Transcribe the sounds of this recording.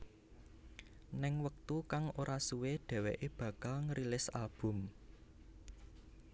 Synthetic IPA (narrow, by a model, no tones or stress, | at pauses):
nɪŋwək̚t̪ukaŋoɾʔasuweɖ̪̥ɛ̤weʔeb̥ä̤kalŋəɾilɪsalb̥ʊ̤m